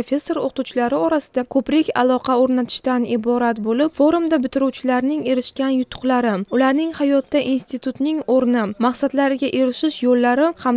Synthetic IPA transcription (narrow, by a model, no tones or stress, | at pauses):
ofʲe̞sːo̞ɾo̰qt̪ʰuwt͡ʃʰɪlaɾɪɒɾasɪd̪akʰɵpɾɪkʲa̰lˠɒqʰɑoɾnat̪ʰɪ̥ʃt̪anɪbɒɾat̪bolɪpfo̞ɾumd̪abɪt̪ʰɪɾuwt͡ʃʰɪlaɾnɪŋe̞ɾɪʃkʲanjʊt̪ʰːʊ̥qlˠaɾɪʊlaɾnɪŋhajɒt̪ːaʔinst̪it̪ʰut̪nɪŋoɾnɪmaqsad̪laɾɪɡʲaʔe̞ɾɪʃɪʃjolːaɾɪham